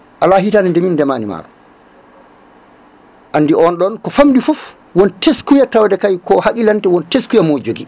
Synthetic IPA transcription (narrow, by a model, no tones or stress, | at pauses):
ʔalaɦitanɛndɛmindɛmaːnima̰ːɾɔ | ʔanːdiʔɔnɗɔnkɔfamdifuf | wɔnteskujatawdɛkajkɔhakilantɛwɔnteskujamod͡ʒoɡi